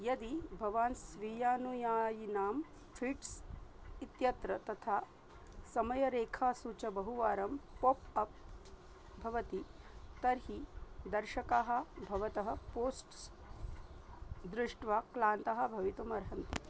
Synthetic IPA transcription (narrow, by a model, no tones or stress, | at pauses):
jɐd̪ibʱɐʋaːnsʋijaːnujaːjinaːm | fʰiʈsit̪jɐt̪ɾɐt̪ɐt̪ʰaː | sɐmɐjɐɾeːkʰaːsuːt͡ʃɐbɐɦuʋaːɾɐmpopɐp̚ | bʱɐʋɐt̪it̪ɐɾɦid̪ɐɾʃɐkaːɦɐ̆bʱɐʋɐt̪ɐɦɐ̆poːsʈs | d̪ɾɪʂʈʋaːklaːnt̪ɐɦɐ̆bʱɐʋit̪umɐɾɦɐnt̪i